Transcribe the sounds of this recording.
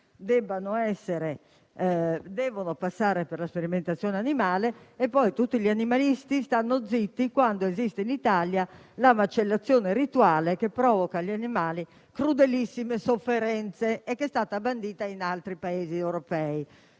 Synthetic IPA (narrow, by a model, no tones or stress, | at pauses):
d̪ɛbːanoɛsːeɾe | d̪ɛːvonopasːaːɾepɛrlaspeɾiment̪at̪sːjɔːneanimaːleɛpːɔjt̪ut̪ːiʎianimalist̪ist̪anːod̪zːit̪ːikwand̪oezist̪einit̪alja | lamat͡ʃelːat̪sːjɔːneɾit̪uaːlekepːɾɔːvɔkaʎːianimaːli | kɾud̪elisːimesofːeɾɛnt̪seɛkːest̪aːt̪aband̪iːt̪ainalt̪ɾipaeːziɛwɾopɛi